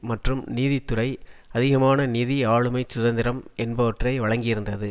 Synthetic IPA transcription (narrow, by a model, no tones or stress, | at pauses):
mɐʈrɯmniːðit̪ːʊɾɐɪɐðɪɣɐmaːnɐniːðiaːɭɯmɐɪsʊðɐnd̪ɪɾɐmɛnbɐʋɐʈrɐɪʋɐɻɐŋɡɪjɪɾɯnd̪ɐðɯ